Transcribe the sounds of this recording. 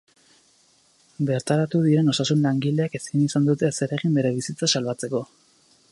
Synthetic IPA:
be̞ɾt̪aɾat̪uð̞iɾe̞no̞sasunlaŋɡile̞akesinisand̪ut̪e̞se̞ɾe̞ɣimbe̞ɾe̞β̞isit͡sasalβat͡se̞ko̞

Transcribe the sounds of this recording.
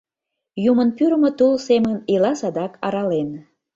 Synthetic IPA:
jumənpyɾəmŏt̪ulsemənilɑsɑd̪ɑkʰɑɾɑlen

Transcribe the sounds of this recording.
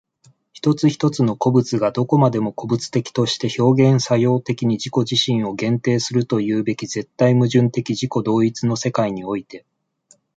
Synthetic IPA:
çi̥t̪o̞t͡sɨçi̥t̪o̞t͡sɨno̞ko̞bɯ̟t͡sɨɡad̪o̞ko̞mad̪e̞mo̞ko̞bɯ̟t͡sɨ̥t̪e̞kʲi̥t̪o̞ɕi̥t̪e̞ço̞ːɡẽ̞ɰ̃sajo̞ːt̪e̞kʲiɲ̟iʑiko̞ʑiɕĩɰ̃o̞ɡẽ̞nt̪e̞ːsɨɾɯ̟t̪o̞jɯ̟ːbe̞kʲize̞t̪ːaimɯ̟ʑɨ̃nt̪e̞kʲiʑiko̞d̪o̞ːit͡sɨno̞se̞kaiɲ̟io̞it̪e̞

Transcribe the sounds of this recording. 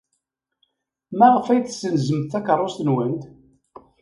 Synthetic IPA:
mæʁəfæjθsːənzəmθækəɾˤːost̪ənwænt̪

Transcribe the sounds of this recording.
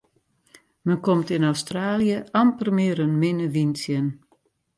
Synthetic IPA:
mənkɔmtɪnawstraːljəampərmɪːɾənmɪnəʋinsjən

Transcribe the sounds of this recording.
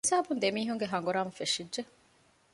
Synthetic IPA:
saːbund̪emiːɦuŋɡeɦɐŋɡuɾaːmufeʂiɖʒe

